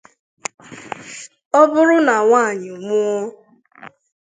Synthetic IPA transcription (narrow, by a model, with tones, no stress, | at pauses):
ɔ˦bʊ˦ɾʊ˦na˨ŋʷa˦˨ɲɪ˨mʊ˦ɔ˦